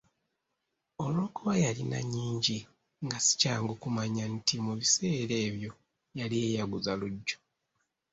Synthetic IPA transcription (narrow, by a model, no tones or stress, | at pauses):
olo̞ːkuβajalina̰ɲːiːɲɟi | ŋɡasi̥caːŋɡokumaɲantimuβise̞ːɾe̞ːβjo̞ | jalijeːjaɡuzaluɟːo̥